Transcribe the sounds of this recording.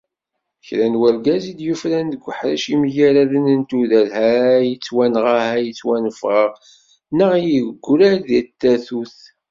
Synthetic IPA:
çɾænwælɡæzid̪jufɾænðəɡʷːəħɾæʃimjæɾæðənənt̪uðælhæjət͡sːwænʁahæjət͡sːwænfʁəʁ | nəʁijəɣɡʷːɾæɾðæt̪ːæθuθ

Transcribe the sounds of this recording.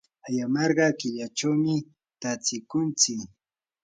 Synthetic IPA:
ajamɑɾɢɑkɪʎat͡ʃawmɪ | t̪at͡sɪkʊnt͡sɪk

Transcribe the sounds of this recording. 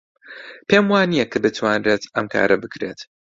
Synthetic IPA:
pʰeːmwaːnijɛkːɨbɨt̪ʰwaːnreːt̪ɐmkʰa̰ːɾɐbɨkɾe̞t̪

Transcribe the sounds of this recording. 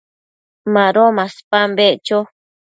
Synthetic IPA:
mãɾomãspãmbeʔt͡ʃo

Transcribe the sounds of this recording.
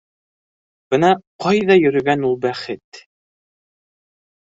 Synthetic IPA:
b̥ɤnɑqɑjðɑjɵ̆ɾɵ̆ɡænulˠbæχɘt̪

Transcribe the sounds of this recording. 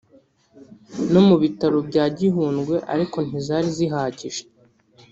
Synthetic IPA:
no̞muβitaɾobɟaːɟiɦuːnɡwe̞ʔaɾiko̞n̥izaːɾiziɦaːɟiʒe̥

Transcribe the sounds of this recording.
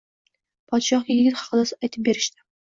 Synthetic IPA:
pʰɒt̪ʃɒχʲjjɪɡʲɪt̪χɑ̥qɨd̪asɪajt̪ʰɪp̚beɾɪʃt̪ɪ̥

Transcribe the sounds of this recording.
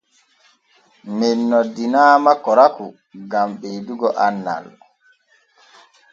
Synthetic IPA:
mɛnːɔdinaːmakɔɾaku | ɡamɓeduɡɔʔanːa̰l

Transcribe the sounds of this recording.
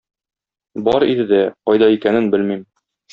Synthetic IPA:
bɒɾḭd̪ɘd̪æqɒjd̪ɑikænɘnbɘlmim

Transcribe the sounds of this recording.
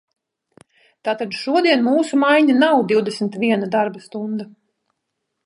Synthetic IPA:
t̪aːt̪ad̪ʃuɔd̪iɛnmuːsumajɲanawd̪iwd̪esmʲt̪vʲiɛnad̪aɾbast̪und̪a

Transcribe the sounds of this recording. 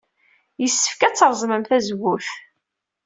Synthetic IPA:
jəsːə̥fkæt͡sːəɾˤzˤməmθæzɡuθ

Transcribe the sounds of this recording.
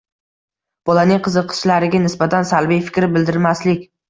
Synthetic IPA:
b̥ɒlanɪŋqʰɨzɨqʰːɨ̥ʃlaɾɪɡʲanɪsbat̪ʰansalbijfɪ̥kʲɾɪbɪld̪ɪɾmaslɪkʲ

